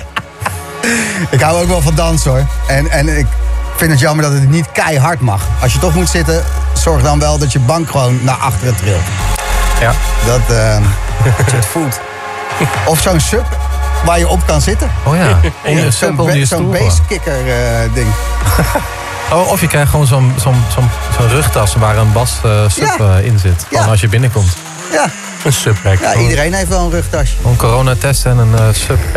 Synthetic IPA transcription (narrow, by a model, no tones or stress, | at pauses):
ɪkɦawowkʋɛlˠvɑndɑnsəoɹɛnɛnɪkfɪntət̬jɑməɹdɔtətnitkɛjɦɑɹtmɑ̰χɑlˠsjətɔχmutsɪtəsɔɹχdɑnʋɛlˠdɔtjəbɑŋkχəʋownːaːʔɑχtərətrɪl | dɔtə | sotfulˠt | ɔfsownsøpʋaːɹjəɔp̚kɑnzɪtəoːjaɔəsøjəsonːbeskɪkəɹdɪŋ | oʔɔfjəkɛjχʋownzonzonzozoːnrøχtɑsʋaːrənbɑsəsøɪnzɪtfɔnɑls̬jəbɪnəkɔmt | ja | ənsøprɛkjaidəɾejnɦejftʋɛlˠənrøχtɑssoːnkoroːnatɛstɛnənsøp